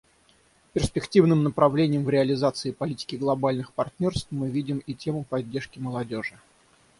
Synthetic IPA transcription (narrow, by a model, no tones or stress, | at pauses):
pʲɪrspʲɪktʲivnɨmnəpɾɐvlʲenʲɪjəmvɾʲɪɐlʲɪzat̪sɨɪpɐlʲitʲɪ̥kʲɪɡlˠɐbalʲnɨxpɐrt̪ʲnʲo̞rst̪fmɨvʲidʲɪmitʲe̞mʊpɐdʲːerʂkʲɪməlˠɐdʲo̞ʐɨ